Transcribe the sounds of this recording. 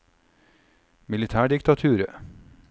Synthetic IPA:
mɪlɪt̪ʰæːɖɪkt̪ɑt̪ʰʉːɾə

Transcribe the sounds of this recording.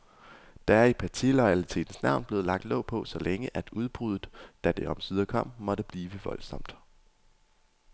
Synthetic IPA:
d̥ææɐipʰæt͡sʰilɒɪælit͡sʰe̝̰ːd̥n̩snɑ̈ʊnb̥le̝ːð̩ˠlɑ̈ɡ̥̚d̥lɔ̽ʊpʰɒ̽sɒ̽leŋəʔæd̥uð̞ˠb̥ʁuð̞̰ˠð̩ˠd̥æd̥e̝ʔɒ̽msyð̞ˠɐkʰɒ̽m̰mɒ̽ɾ̥əb̥liːʋəʋɒ̽lsɒ̽m̰d̥

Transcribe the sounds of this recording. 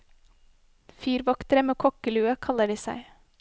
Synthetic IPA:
fyːɾʋɑkt̪əɾəmeːkʰɔkəlʉːəkʰɑləɖiːsæ̰ɪ

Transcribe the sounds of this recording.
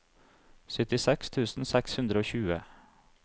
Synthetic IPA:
sʏt̪ɪsɛkst̪ʰʉːsn̩sɛkshʉnd̪ɾəoːçʉːə

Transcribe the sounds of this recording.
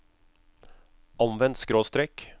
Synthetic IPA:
ɑnʋɛnt̪skɾoːst̪ɾɛk

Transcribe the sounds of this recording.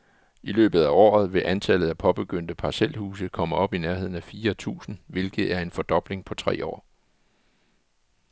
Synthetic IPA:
ilø̰ːb̥ð̩ˠæɒ̰ːð̞̩ˠʋe̝ʔænt͡sʰælð̞̩ˠæpʰɒ̽b̥e̝ɡ̥øn̰d̥əpʰɑ̈sel̰huːs̬ð̩ˠkʰɒ̽məɒ̽b̥inæɐɦe̝ð̞̰ˠn̩æfiːɐt͡sʰṵːsn̩ʋe̝lɡ̥ð̩ˠæɐe̝nfɒ̽d̥ɒ̽b̥le̝ŋpʰɒ̽t͡sʰʁɛ̰ːɒ̰ː

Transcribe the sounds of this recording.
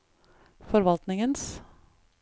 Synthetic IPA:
fɔɾʋɑlt̪nɪŋəns

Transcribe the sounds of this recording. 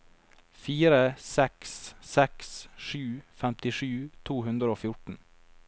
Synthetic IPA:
fiːɾəsɛkssɛksʃʉːfɛmt̪ɪʂʉːt̪ʰuːhʉnd̪ɾəoːfjʊʈn̩

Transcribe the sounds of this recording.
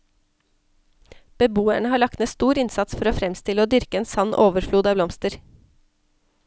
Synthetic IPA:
b̥əbuːæɳəhɑːɭɑk̚t̪meːst̪uːɾɪnsɑt̪sfɔɾoːfɾɛmst̪ɪləoːd̪ʏɾkəeːnsɑnʔoːʋəɾfluːd̪ɑːblɔmst̪əɾ

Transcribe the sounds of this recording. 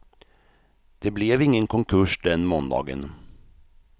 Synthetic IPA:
d̪̥ɛblɛvɪŋːənkʰɔŋkʰɵʂd̪ɛnmɔːnd̪ɑ̰ːɡə̰n

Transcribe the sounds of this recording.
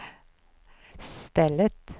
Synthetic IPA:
st̪ɛlət̪

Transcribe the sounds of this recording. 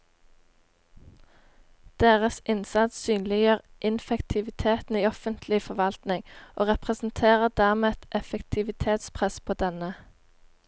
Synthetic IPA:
d̪̥eːʁəsɪnsɑd̪syːnlɪjøːʁʔɪnfɛkt̪ʰɪʋɪt̪ʰeːt̪n̩iːɔfənt̪ʰlɪfɔʋɑlt̪nɪŋʔoːʁɛpʁɛsn̩t̪ʰeːʁəʁd̪æːʁmeːt̪ʔɛfɛkt̪ʰɪʋɪt̪ʰeːt̪spʰʁɛspʰoːd̪ɛnə

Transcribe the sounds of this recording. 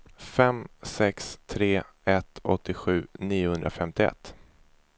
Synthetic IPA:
fɛmsɛkst̪ʰɾeː | ɛt̪ɔ̰t̪ʰːɪɧʉ̟ːniːʊhɵnd̪ɾafɛmt̪ɪɛ̰t̪ː

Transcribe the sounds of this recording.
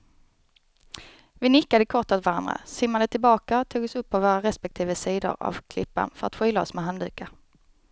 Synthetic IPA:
vɪnɪkːad̪əkʰɔʈ̪ːat̪vaɾand̪ɾa̰sɪmːad̪ət̪ʰɪlbɑːkaɔt̪ʰuːɡɔsɵpːavoːɾaɾɛspɛk̚t̪ʰiːvəsiːd̪ʊ̰ɾa̰vkʰlɪ̰pːa̰nfœɾa̰t̪ɧʏːlaɔsmɛɦand̪ʉ̟ːka

